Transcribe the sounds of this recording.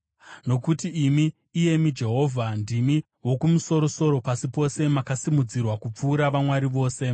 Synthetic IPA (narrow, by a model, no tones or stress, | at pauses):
no̞kutiːmiː | je̞mid͡ʒe̞ɦo̞vʱandimi | wo̞kumuso̞ɾo̞so̞ɾo̞pasipo̞se̞makasimud͡zirwakup͡fuːɾaʋamwaɾiʋo̞ːse̞